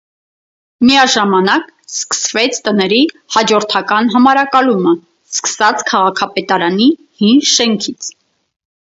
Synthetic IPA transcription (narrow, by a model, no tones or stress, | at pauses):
miɑʒɑmɑnɑkskə̥svɛt͡sʰt̪ənɛɾi | hɑd͡ʒɔɾt̪ʰɑkɑnɦɑmɑɾɑkɑlumə | skə̥sɑt͡sʰkʰɑʁɑkʰɑpɛt̪ɑɾɑni | hinʃɛŋkʰit͡sʰ